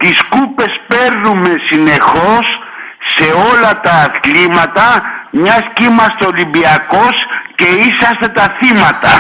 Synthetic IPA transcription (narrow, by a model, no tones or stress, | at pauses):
t̪iskupe̞spe̞ɾnume̞sine̞xo̞sː | e̞o̞lɐt̪ɐːθlimɐt̪ɐmɲɐscimɐst̪olimbiɐko̞sce̞isɐst̪e̞t̪ɐθimɐt̪ɐ̰